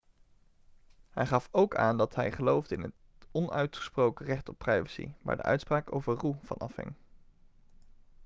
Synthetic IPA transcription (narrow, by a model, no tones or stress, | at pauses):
ɦɛjχɑfowka̰ːndɑtɦɛjχəlowvdəɪnət | ɔnœɥtχə̥sprowkərɛχtɔpːrɛjvəsḭʋa̰ːɹdə̰ʔœ̰ɥtspraːko̰wvəruv̥ɑ̰nɑfɦɪ̰ŋ